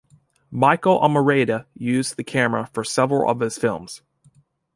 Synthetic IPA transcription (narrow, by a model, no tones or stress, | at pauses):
maɪkl̩ˠʔə̰mə˞eɪɾɨjʉzðɨkʰæmə˞əfə˞sɛvɹl̩ˠʌ̰v̥ɨz̥fɪ̰lˠmz̥